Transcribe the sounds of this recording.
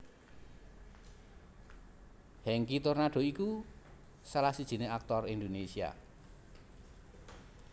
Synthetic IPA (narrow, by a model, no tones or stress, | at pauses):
hɛŋkit̪ornaɖ̥o̤iku | salahsid̥ʒ̥i̤neak̚t̪ɔrind̪onesia̰